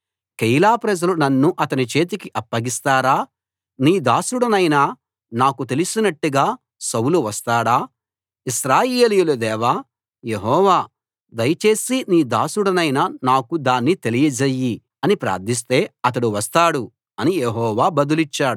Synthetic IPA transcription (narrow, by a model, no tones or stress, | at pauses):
kejlaːpɾɐd͡ʒɐlunɐnːuʔɐt̪ɐnit͡ʃe̞ːt̪̬ikiʔɐpːɐɡist̪aːɾaː | niːd̪aːsuɽɐnɐjna | naːkut̪e̞lusinɐʈːuɡaː | sɐwuluʋɐst̪aːɽaː | iʃɾaːjeːlijulud̪ɛːʋaː | jeɦɔːʋaː | d̪ɐjɐt͡ʃe̞ːsiniːd̪aːsuɽɐnɐjnɐnaːkud̪aːnːit̪e̞lijɐd͡ʒɐjːi | ɐnipɾa̰ːɾd̪ʱis̬t̪e̞ːɐt̪̬ɐɽuʋɐst̪aːɽu | ɐnijeɦɔːʋaːbɐd̪ulit͡ʃːaːɽu